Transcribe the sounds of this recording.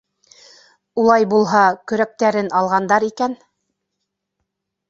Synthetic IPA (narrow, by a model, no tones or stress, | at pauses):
ulˠɑjbulˠɦɑkɵ̆ɾæk̚t̪æɾɘnɑlˠʁɑnd̪ɑɾikæn